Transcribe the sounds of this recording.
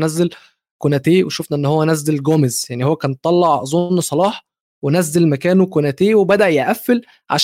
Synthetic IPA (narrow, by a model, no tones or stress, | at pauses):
næzːel | konæt̪eːweʃofnæʔenːhowːænæzːelɡoːmezjaʕnihowːækæːnt̪ˤːɑlːɑʕzˤonːsˤɑlɑːħ | wenæzːelmækæːnwekonæt̪eːwebæd̪æʔjeʔæfːel | ʕa̰ʃ